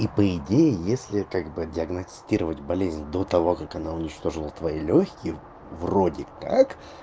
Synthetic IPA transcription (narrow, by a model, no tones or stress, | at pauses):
ipəɪdʲejɪjesʲlʲɪkaɡbɨdʲɪɐɡnɐsʲtʲiɾəvətʲbɐlʲezʲnʲd̪o̞t̪ɐvo̞kakɐnaʊnʲɪt͡ɕt̪o̞ʐɨlˠət̪vɐilʲoçʲkʲɪjə | vro̞dʲɪkak